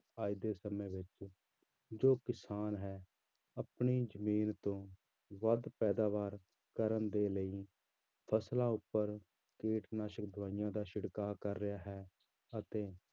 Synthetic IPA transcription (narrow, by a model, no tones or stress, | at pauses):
aːid̪eːsəmẽːʋɪt͡ʃ | d͡ʒoːkɪsaːnɦɛː | əpɳiːd͡ʒəmiːnt̪õː | ʋəd̪pɛːd̪aːʋaːɾ | kəɾənd̪eːləiː | pʰəslãːʊpːəɾ | keːʈnaːʃək̚d̪ʋaːɪjãːd̪aːʃɪɽkaːkəɾːɪjaːɦɛː | ət̪eː